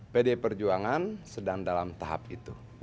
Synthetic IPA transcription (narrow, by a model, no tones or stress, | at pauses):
pedepərd͡ʒuaŋansədaŋdalamt̪aɦa̰p̚it̪u